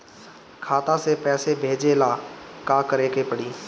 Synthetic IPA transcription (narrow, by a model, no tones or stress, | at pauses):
kʰaːt̪ãsepɛːsebʱeːd͡ʒelaːkaːkəɾeːkepəɽiː